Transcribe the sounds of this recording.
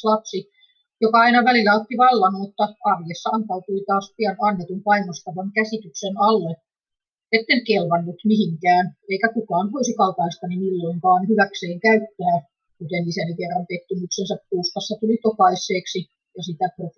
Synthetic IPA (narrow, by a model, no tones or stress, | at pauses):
lɑpsi | jokɑɑinɑʋælilːæot̪ːiʋɑlːɑnoːt̪ːɑɑrjesːɑɑnt̪ɑut̪uit̪ɑːspiænɑnːet̪umpɑinost̪ɑʋɑŋkæsit̪yksenɑlːe | et̪ːeŋkelʋɑnːut̪mihiŋkæːneikækukɑːnʋoisikɑup̪ɑist̪ɑnimilːoiŋkɑːnhyʋækseːŋkæyt̪ːæː | kut̪enisænikerːɑnt̪eht̪ːymyksensæppuːst̪ɑsːɑt̪ulit̪okɑisːˑeːksi | jɑsit̪æpro